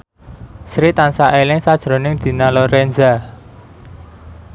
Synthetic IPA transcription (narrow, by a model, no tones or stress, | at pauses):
sɾit̪ansaʔelɪŋsad̥ʒ̥ɾo̤nɪŋd̪̥i̤nalɔɾɛnza